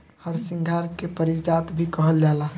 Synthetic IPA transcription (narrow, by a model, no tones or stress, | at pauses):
həɾsĩŋɡʱaɾkepəɾid͡ʒat̪bʱikəɦəld͡ʒaːla